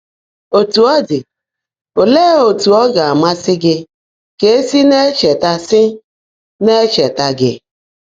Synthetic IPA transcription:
o˨tu˨ɔ˦dɪ˨ | o˨le˦o˨tu˨ɔ˦ɡa˨a˨ma˦sɪ˦ɡɪ˦ | ke˨˦e˦si˦ne˦t͡ʃe˨ta˦sɪ˦ | ne˦t͡ʃe˨ta˦ɡɪ̰˦

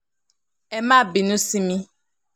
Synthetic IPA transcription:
ɛ˦mã˦˨bi˨nũ˦si˦mĩ˦

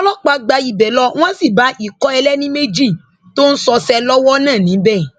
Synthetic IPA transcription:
ɔ˦lɔ˦k͡pa˧ɡ͡ba˧ji˨bɛ˨lɔ˦w̃ɔ̃˦si˦˨ba˨˦ʔi˦˨kɔ˦ɛ˧lɛ˦nĩ˦me˦d͡ʒi˦˨ | to˦n̩˦sɔ˧sɛ˧lɔ˦wɔ˦nãː˦˨nĩ˨˦bɛ˦˨

